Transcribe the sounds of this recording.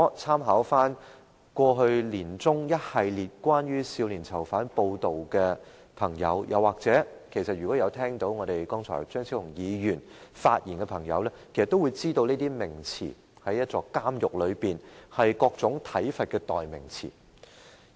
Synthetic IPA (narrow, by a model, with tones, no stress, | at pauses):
t͡sʰaː˥mɦaː˨˥wfaː˥n | kʷɔː˧ɦɵ˧ɥliː˨˩nt͡sʊ˥ŋjɐ˥t̚hɐ˨˧jliː˨˩t̚kʷwaː˥nɥyː˥siː˧wliː˨˩nt͡sʰɐ˨˩wfaː˨˥npo˧wt̪o˨wkɛ˧ | pʰɐ˨˩ŋjɐ̰˨˧wjɐ̰˨˩waː˨k̚t͡sɛː˨˥kʰe˨˩jsɐ˨t̚jyː˨˩kɔː˨˥jɐ˨˧wt̪ʰɛː˥ŋt̪o˨˥wŋɔː˨˧ɾe˨jkɔ˥ŋt͡sʰɔ̰ː˨˩jt͡ʃœː˥ŋt͡sʰi˥ʊ˨˩ŋjiː˨˧jyː˨˩nfaː˧t̚jiː˨˩nkɛ˧pʰɐ˨˩ŋjɐ̰˨˧wlɛ˥kʰe˨˩sɐ˨t̪ːo˥wu˨˧jt͡siː˥t̪o˧wneː˥t̪iː˥mɪ˨˩ŋt͡sʰḭː˨˩ | hɐ˨˥jɐ˥t̚t͡sɔː˧kaː˥mjʊ˨k̚lɵ˨˧ɥpiː˨nhɐ˨jkɔː˧k̚t͡sʊ˨˥ŋt̪ʰɐ˨˥jfɐ˨t̚kɛ˧t̪ɔː˨jmɪ̰˨˩ŋt͡sʰḭː˨˩